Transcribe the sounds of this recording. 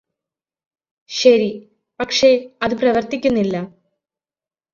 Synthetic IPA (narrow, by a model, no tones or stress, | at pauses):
ɕɐɾi | pɐkʂe̞ɐðɨprɐʋɐrt̪ikʲːunːilːɐ